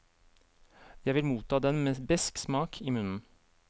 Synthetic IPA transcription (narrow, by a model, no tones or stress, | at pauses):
jæɪʋɪlmuːt̪ʰɑːd̪ɛnmeːbɛsksmɑːkʰiːmʉnn̩